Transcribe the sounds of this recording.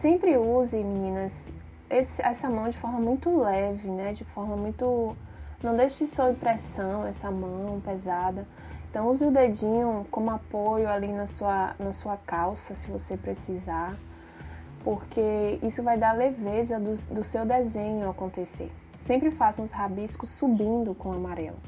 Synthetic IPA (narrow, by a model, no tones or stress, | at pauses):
sẽmpɾɪuzɪmĩnĩnɐs | esɪɛsɐmɐ̃w̃d͡ʒɪfɔɾmɐmũj̃t̪ʊlɛvɪnɛd͡ʒɪfɔɾmɐmũj̃t̪ʊ | nɐ̃w̃d̪ejʃɐsɔĩpɾɛsɐ̃w̃ɛsɐmɐ̃w̃pɛzad̪ɐ | ẽt̪ɐ̃w̃uziʊd̪ed͡ʒĩɲʊ̃kõmʊapojʊalinɐsuɐnɐsuɐkawsɐsɪvosepɾesizaɾ | poɾkeisʊvajd̪aɾlevezɐd̪ʊd̪ʊsewd̪ezẽɲʊakõnt̪esḛɾ | sẽmpɾɪfaz̃ʊzhabiskʊsːubĩnd̪ʊkõamaɾɛ̰lʊ